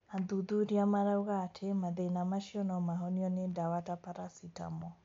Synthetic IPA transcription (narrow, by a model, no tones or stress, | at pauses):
aðuðuɾiamaɾauɣatʰemaðenamaʃiɔnɔmaɦɔniɔnedawatapaɾasita̰mɔ